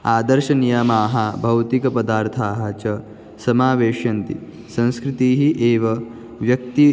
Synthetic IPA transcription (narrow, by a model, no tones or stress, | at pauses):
aːd̪ɐɾʃɐnijamaːɦabʱɐwt̪ikɐpɐd̪aːɾt̪ʰaːɦɐt͡ʃɐ | sɐmaːʋeːʂjɐnt̪ḭ | sɐ̃ñskɾit̪iːɦiʔeːʋɐ | ʋjɐk̚t̪i